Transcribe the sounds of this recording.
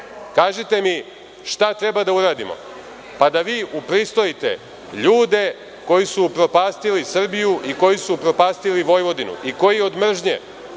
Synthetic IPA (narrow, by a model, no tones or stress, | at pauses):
kaːʒet̪e̞mi | ʃt̪at̪ɾe̞bad̪auɾaːd̪imo̞̰ | pad̪aʋiːʔupɾist̪o̞jit̪e̞̰ | ʎuːd̪e̞ | ko̞jisupɾo̞paːst̪ilisr̩bijuʔiko̞jisupɾo̞paːst̪iliʋo̞jʋo̞d̪inṵʔiko̞jio̞d̪mr̩ʒɲḛ